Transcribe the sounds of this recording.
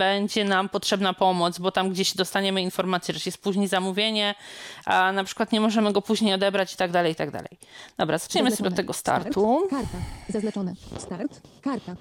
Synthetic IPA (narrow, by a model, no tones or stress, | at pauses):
bɛɲd͡ʑɛnampɔtʂɛbnapɔmɔd̪zbɔt̪amɡd͡ʑeɕd̪ɔst̪aɲɛmɘinfɔɾmat̪sjɛʐɛjɛst̪̚puʑɲejzamuvʲjeɲɛanapʂɘ̥kwat̪ɲɛmɔʐɛmɘɡɔpuʑɲejɔd̪ɛbɾat͡ɕi̥t̪aɡd̪alɛjit̪aɡd̪a̰lɛ̰jd̪̥ɔbɾazat͡ʂɲɛmɨsɔbjɛɔt̪ːɛɡɔst̪a̰ɾt̪ʰu | sa | aɾ